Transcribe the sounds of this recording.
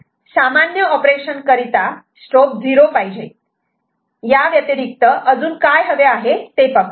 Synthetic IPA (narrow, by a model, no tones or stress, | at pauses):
samanjəɔpɾeʂənkəɾit̪a | sʈop̚d͡ziɾopaɦid͡ʑe | jaʋjət̪iɾik̚t̪əʔəd͡zuːnkajɦəʋeaɦet̪epək